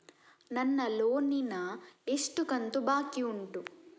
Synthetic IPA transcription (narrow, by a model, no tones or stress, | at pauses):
nɐnːɐloːninɐeʂʈukɐnt̪ubaːkiuɳʈu